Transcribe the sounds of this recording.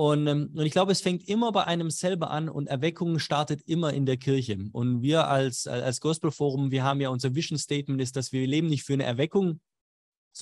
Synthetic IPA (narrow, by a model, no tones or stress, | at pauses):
ʔʊnʊntɪçɡ̥laʊbəɛsfɛŋtʔɪmɐbaɪʔaɪnəmzɛlbɐʔanʊ̰ntɛɐvɛkʰʊŋʃtaɐtətʔɪmɐʔɪ̰ndeːɐkʰɪɐçəʔʊntviːɐʔalsa̰alsɡ̥ɔspl̩foːʁ̞ʊmviːɐɦaːbm̩jaːʊnzɐvɪʃn̩stɛːt̚mɛntɪstd̥asv̥iːɐleːbm̩nɪçtfyːɐnəʔɛ̰ɐvɛkʊŋ | z